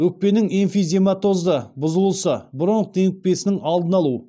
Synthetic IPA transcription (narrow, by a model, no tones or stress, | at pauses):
wɵk̚pe̞nɪŋinfijze̞mɑt̪o̞zd̪əbʊzəlˠsəbʊɾəɴd̪e̞ŋɪk̪̚pe̞sɪnɪŋɑlˠd̪ənɑlˠu